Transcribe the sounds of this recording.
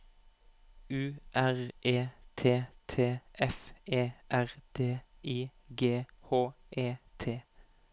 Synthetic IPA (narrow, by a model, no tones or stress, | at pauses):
ʉːʔæʁʔeːt̪ʰeːt̪ʰeːʔɛfʔeːʔæʁd̪ʰeːiːɡeːhoː | ʔeːt̪ʰeː